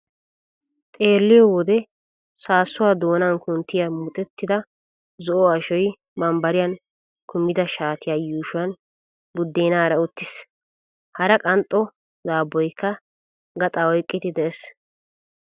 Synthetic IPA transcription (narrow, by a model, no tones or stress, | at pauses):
t̪ʼe̞ːlːɪjɔwɔd̪ɛ | saːsːʊwaːd̪o̞ːnɐnkʊnt̪ːɪjamʊt̪ʼɛt̪ːɪd̪ɐ | zɔʔɔɐʃɔj | bɐmbɐɾɪjɐn | kʰʊmːɪd̪ɐʃaːt̪ɪjaːjuːʃʊɐn | bʊd̪ːeːnaːɾɐʊt̪ːɪs | hɐɾɐkʼɐnt̪ʼːɔ | zaːbːɔjkːɐ | ɡɐt̪ʼaɔjkʼːɪt̪ɪd̪ɛɛs